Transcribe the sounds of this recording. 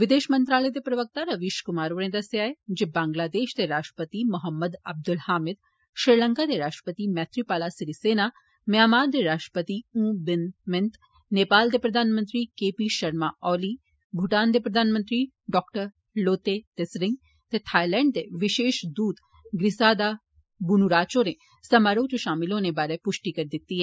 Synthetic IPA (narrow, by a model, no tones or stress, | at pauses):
ʋɪd̪eːʃmə̃nt̪ɾaːləjt̪epɾɐʋək̚t̪aɾɐʋiʃkʊmaːɾoːɽẽd̪ɐseaːed͡ʒebãːŋɡlaːd̪eːʃt̪eɾaːʂʈə̥pət̪imɐɦəmːəd̪ɐb̚d̪ʊlhaːmɪd̪ | ʃɾɪɾlə̃ŋkad̪eɾaːʂʈɾə̥pət̪imɛːt̪ʰɾipaːlasɾiseːna | mjaːmaːɾd̪eɾaːʂʈɾəpət̪iũːbɪnmɪnt̪ | neːpaːld̪epɾɐd̪ʱaːnmə̃nt̪ɾikeːpiʃɐɾmaʔɔːli | bʱʊʈaːnd̪epɾɐd̪ʱaːnmənt̪ɾi | ɖɔːkʈəɾ | loːt̪et̪esɾɪ̃ŋɡ | t̪et̪ʰaːjlɛ̃ːɳɖ̚d̪eʋɪʃeːʃd̪uːd̪ | ɡɾɪsaːd̪a | bʊnuɾaːt͡ʃone | sɐmaːɾõd͡ʒoʃaːmɪlõnebaːɾepʊʃʈikɐɾd̪ɪt̪ːiɦɛː